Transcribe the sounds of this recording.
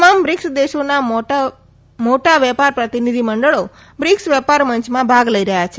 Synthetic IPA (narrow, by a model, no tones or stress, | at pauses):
tmambɾɪksd̪eʃona | moʈaʋɛpaɾpɾət̪inid̪ʱiməɳɖəɭo | bɾɪksʋɛpaɾməɲt͡ʃmãbʱaɡləiɾəɦjat͡ʃʰe